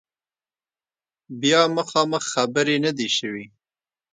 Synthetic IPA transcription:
bjɑməxɑməxːabəɾenad̪iʃəwi

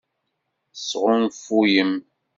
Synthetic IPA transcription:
sʁʊnfujəm

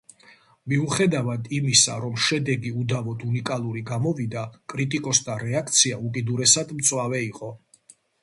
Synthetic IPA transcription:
miuχɛd̪avad̪imisaɾɔmʃɛd̪ɛɡiud̪avɔd̪ʰunikʼalˠuɾiɡamɔvid̪akʼɾit̪ʼikʼɔsd̪aɾɛakʰt̪sʰiaukʼid̪uɾɛsad̪mt̪sʼwavɛiqʼɔ

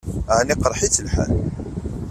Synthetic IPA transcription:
ʕniqəɾˤħit͡sːəlħa̰l

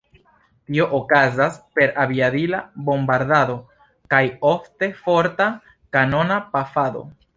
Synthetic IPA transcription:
tio̞ʔokazaspe̞ɾabiadilabo̞mbaɾdado̞ | kajo̞fte̞fo̞ɾta | kano̞napafado̞̰

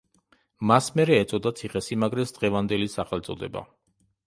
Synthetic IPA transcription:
masmɛɾɛːt̪sʼɔd̪at̪sʰiχɛsimaɡɾɛt̪sd̪̥ʁɛvand̪ɛlisaχɛlt̪sʼɔd̪ɛba̰

